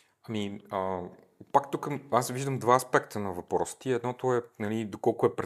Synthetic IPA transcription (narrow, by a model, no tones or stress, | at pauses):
ɐmiə | pakt̪ukəasviʒd̪əmd̪vaɐspɛkt̪ʰənɐvɐpɾɔst̪iɛd̪nɔt̪ʊɛnɐlid̪okɔlˠkʊɛpɾɛ